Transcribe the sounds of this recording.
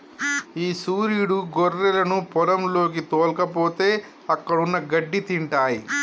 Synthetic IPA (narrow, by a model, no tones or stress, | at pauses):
iːsuːɾijɽuɡoɾːɛlɐnupɔɾɐmlo̞ːk̬it̪oːlkɐpoːt̪e̞ː | ɐkːɐɽunːɐɡɐɖːit̪iɳʈaːji